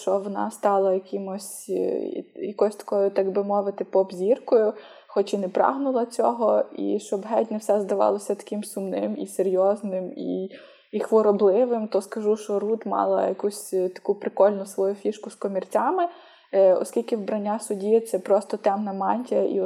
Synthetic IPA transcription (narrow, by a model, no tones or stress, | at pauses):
t͡ʃɔʋɔnɑ̰st̪ɑlˠɐjɐkɪmɔsʲ | jɐkɔsʲt̪ɐ̥kɔjʊt̪ɑɡbɪmɔʋɪt̪ɪpɔbzʲirkɔjʊ | xɔt͡ʃinɛpɾɑ̰ɦnʊlˠɐt͡sʲɔ̰ɦɔḭʃt͡ʃɔbɦɛtʲnɛwsɛzd̪ɐʋɑ̰lˠɔsʲɐt̪ɐ̥kɪmsʊmnɪmiseɾʲjɔznɪmḭ | ixʋɔɾɔblˠɪʋɪmt̪ɔskɐʒuʃt͡ʃɔɾut̪mɑ̰lˠɐ̰jɐkusʲt̪ɐ̥kupɾɪkɔlʲnʊsʋɔjufʲiʃkʊskɔmʲirt͡sʲɑmɪ | ɔ̰sʲkʲilʲkɪwbɾɐnʲːasʊdʲit̪sɛpɾɔst̪ɔt̪ɛmnɐmɑnʲtʲiɐʔḭ